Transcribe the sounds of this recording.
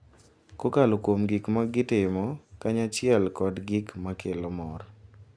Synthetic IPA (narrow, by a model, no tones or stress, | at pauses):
kokalokwomɡikmaɡɪtɪmɔkaɲat͡ʃɪɛlkɔdɡɪkmakʰelomɔɾ